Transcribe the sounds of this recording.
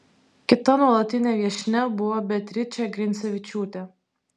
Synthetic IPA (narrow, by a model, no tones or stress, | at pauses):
kʲɪt̪ɐnuɔlˠɐt̪ʲɪnʲeːʋʲiɛʃʲnʲɛbʊʋɔbʲɛt̪ʲɾʲɪt͡ʃʲɛɡɾʲɪnt̪sʲɛʋʲɪt͡ʃʲuːt̪ʲɛ